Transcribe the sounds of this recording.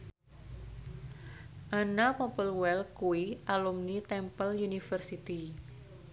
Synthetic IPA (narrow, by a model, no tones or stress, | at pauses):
ʔanapɔpəlwɛlkuiʔalumnit̪ɛmpəljunifərsit̪i